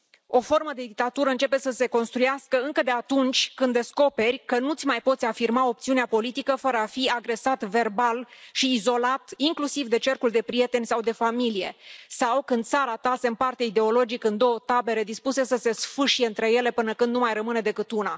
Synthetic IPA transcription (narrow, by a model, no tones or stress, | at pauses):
o̞fo̞rməd̪e̞d̪ik̚t̪at̪uɾəɨnt͡ʃe̞pe̞səse̞ko̞nst̪ɾujaskəɨŋkəd̪e̞at̪unt͡ʃʲkɨnd̪e̞sko̞pe̞rʲkənut̪sʲmajpo̞t̪sʲafirmao̞p̚t̪siuneapo̞lit̪ikəfəɾəafiaɡɾe̞sat̪ve̞rbalʃiːzo̞lat̪iŋklusivd̪e̞t͡ʃe̞rkuld̪e̞pɾije̞t̪e̞nʲsawd̪e̞familije̞̰sawkɨnd̪̚t̪saɾat̪asempart̪eaid̪e̞o̞lo̞d͡ʒikɨnd̪o̞wət̪abe̞ɾe̞d̪ispuse̞səse̞sfɨʃije̞ɨnt̪ɾe̞je̞le̞pɨnəkɨnd̪numajrəmɨne̞d̪e̞kɨt̪una